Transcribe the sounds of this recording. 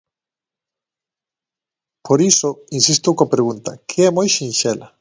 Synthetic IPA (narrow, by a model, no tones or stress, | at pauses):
pʰoɾisoinsist̪ukopɾeɣunt̪a̰kʰeɛmojʃinʃela